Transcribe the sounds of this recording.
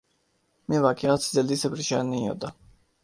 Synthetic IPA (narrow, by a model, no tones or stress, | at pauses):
mɛvakʰiat̪sʰid̪ɛld̪isɛpʰɾiʃaniːɔ̰d̪a